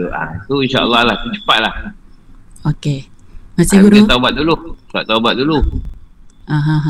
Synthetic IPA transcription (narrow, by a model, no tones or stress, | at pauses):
ʔa̰t̪uinʃaʔə̰lːɑhlaht̪ut͡ʃə̥pat̪̚lah | okemasiɡuɾut̪aubat̪̚dulua̰ʔt̪ːaubat̪̚dulu | aɦãɦ